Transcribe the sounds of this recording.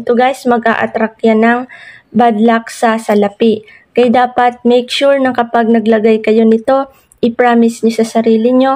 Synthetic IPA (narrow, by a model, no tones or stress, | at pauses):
t̪oɡajsmɐɡʔa̰ʔɐ̰t̪ɾak̚janɐŋbad̪laksɐsɐlɐpɪ | kɐjd̪aːpɐt̪̚mɛjkʃuɹnɐkɐpaɡ̚nɐɡlɐɡajkɐjo̞nɪt̪o̞ | ʔɪpɹaːmɪsɲosɐsɐɾiːlɪɲo̞